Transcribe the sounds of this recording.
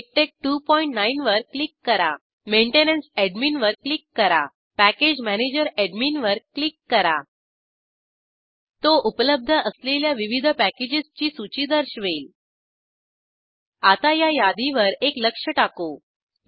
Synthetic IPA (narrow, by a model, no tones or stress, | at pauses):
ek̚ʈek̚ʈupɔiɳʈnainʋəɾklikːəɾa̰ | meɳʈenənseɖminʋəɾklikːəɾa̰ | pæked͡ʑmæned͡ʑəɾeɖminʋəɾklikːəɾa | t̪oʔupələb̚d̪ʱəʔəsleljaʋiʋid̪ʱəpæked͡ʑist͡ɕiːsut͡ɕid̪əɾɕʋeːl | at̪ajajad̪iʋəɾekləkʂəʈako